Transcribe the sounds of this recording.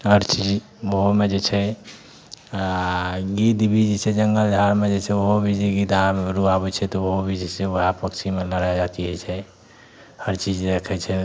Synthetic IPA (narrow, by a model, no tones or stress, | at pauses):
ɦəɾt͡ʃid͡ʒ | ʋoɦomed͡ʒɛt͡ʃʰɛ | ɡit̪bʱid͡ʒsed͡ʒəŋɡəld͡ʒʱaɾmed͡ʒet͡ʃʰɛoɦobʱid͡ʒiɡid̪ameɾuabɛt͡ʃʰɛt̪ɔʋoɦobʱid͡ʒɛseəɦapəkt͡ʃʰimeləɾad͡ʒat̪iɦɛt͡ʃʰɛ | həɾt͡ʃid͡ʒɾekʰɛt͡ʃʰɛ